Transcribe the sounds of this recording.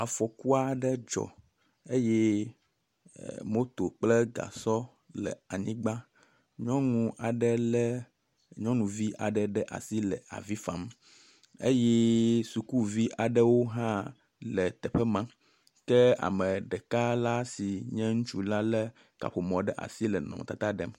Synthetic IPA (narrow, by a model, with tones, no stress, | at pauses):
a˨fɔ˨ku˦a˦ɖɛ˦d͡ʒɔ̰˨ | e˦jɛ˦ | mo˦t̪o˨k͡plɛ˦ɡa̰˨sɔ˦ | lɛ̰˨a˨ɲĩ˦ɡ͡ba˦ | ɲɔ̃˦ŋũ˨ʔa˨ɖɛ˦l | ɲɔ̃˦nũ˨vi˦ʔa˨ɖɛ˨ɖɛ˦ʔa̰˨si˦lɛ̰˨a̰˨vi˦fa˨m | ḛ˦jɛ˦su˨ku˦vi˦ʔa˨ɖɛ˦wo˦ɦã˦ | lɛ˨t̪ɛ˨ɸɛ˦mã˦ | kɛ˦a̰˨mɛ̃˨ɖɛ˨ka˦la˦si˨ɲɛ̃˦ŋũ˦t͡ʃu˦la˦lɛ˦ | ka̰˨ɸo˨mɔ̃˨ɖɛ˦ʔa̰˨si˦lɛ˨nɔ̰̃˨m˨t̪a˦t̪a˦ɖɛ˦m